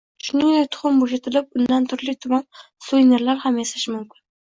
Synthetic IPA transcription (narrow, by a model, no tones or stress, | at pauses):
ʃʊnɪŋet̪ʰʊ̥χʊmboʃat̪ʰɪlɪp̚ʊnd̪ant̪ʰʊɾlɪt̪ʰʊmɑm | sujneɾlaɾhamesḁʃmʊmkʰʲɪn